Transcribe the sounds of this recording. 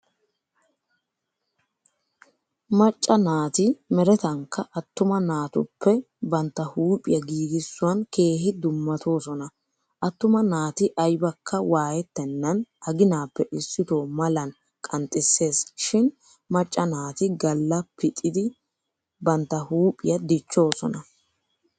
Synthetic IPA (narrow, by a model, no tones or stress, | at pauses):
mɐt͡ʃʼːɐnaːt̪ɪmɛɾɛt̪ɐŋkːɐʔɐt̪ːʊmɐnaːt̪ʊ̰pːɛ | bɐnt̪ːɐhuːpʼɪ̰jɐɡiːɡɪsːʊwɐnkʰe̞ːhɪd̪ʊmːɐt̪ʰo̞ːsɔnɐ | ʔɐt̪ːʊmɐnaːt̪ɪʔɐjbɐkʰːɐwaːjɛt̪ːɛnːɐnɐɡɪnaːpːɛʔɪsːɪt̪oːmɐlɐn | kʼɐnt̪ʼːɪsːe̞ːsʃɪn | mɐt͡ʃʼːɐnaːt̪ɪɡɐlːɐpːɪt̪ʼːɪd̪ɪ | bɐnt̪ːɐhuːpʼɪ̰jɐd̪ɪt͡ʃːo̞ːsɔ̰nɐ